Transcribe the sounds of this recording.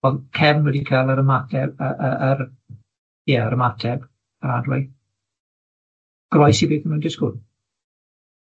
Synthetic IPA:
ɔlkʰɛvnwɛdikʰaːlˠəɾəmatʰɛbəʔəəɾ | jəəɾəmatʰɛb̥ | əɾadwɪ | ɡ̥rɔjsibeːθənmɛwndɪskʊd

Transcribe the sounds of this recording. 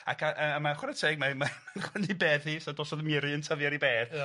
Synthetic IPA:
a̰kʰaʔəəmaχwɛɾətʰeːɡ̚mamaaχwɛndibeːðhisɔdɔːsɔðəmɪɾɨəntʰəðjaɾibeːd̥

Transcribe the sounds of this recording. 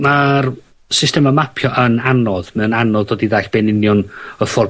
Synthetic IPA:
mar | sɪstɛmamapʰjɔʔənanɔðmɛnanɔðdoːdiðaɬb̥enɪnjɔnəfɔr

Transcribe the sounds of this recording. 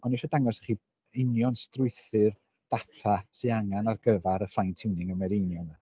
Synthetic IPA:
ɔniʃɔdaŋɔsχiː | ɪnjɔnstrʊɨθɨr | d̥atʰasʰiaŋanarɡəvaɾəfajntʰɪwnɪŋəmɛɾɪnjɔn

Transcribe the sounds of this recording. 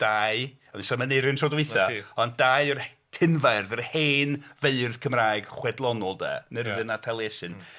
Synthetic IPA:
d̥aːɨ | ɔnisɔməneɾɨntʰrɔdwɪjθaɔndajər | kʰɪnvaɨrðərheːnveɨrð̥kʰəmraːjɡ̥χwɛdlˠɔnɔlˠdɛ̰nəɾəðɨnatʰalˠesɨn

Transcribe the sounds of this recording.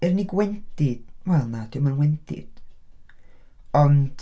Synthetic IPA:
ɪrniɡwɛntʰɪd̥wɛlˠnad̥ɪmanwɛntʰɪ̰d̥ | ɔnd̥

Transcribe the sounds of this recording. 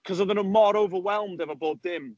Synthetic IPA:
kʰɔzəðənəmɔɾowvəwɛlˠmdɛvəboːdðɪm

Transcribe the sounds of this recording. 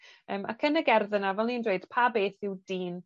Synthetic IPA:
əːmʔa̰kʰənəɡɛrðənavɛlˠnindweɨd̥pʰabeːθɪwd̥iːn

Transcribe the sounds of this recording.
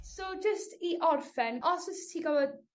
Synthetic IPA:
sod͡ʒəstiʔɔrfɛnɔsɔstʰiɡavɔd

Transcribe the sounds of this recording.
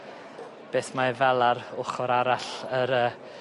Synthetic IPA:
b̥eːθmavɛlˠaɾʊχɔɾaɾaɬəɾəː

